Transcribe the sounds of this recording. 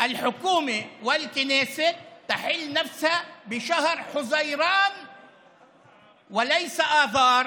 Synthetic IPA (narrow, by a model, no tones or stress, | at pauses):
ʔalħʊkuːmewɪlkɪneːsɪt̪aħɪlːnafshabɪʃahɾħʊzajɾɑːn | wɪlajsaʔɑːðˤɑːɾˤ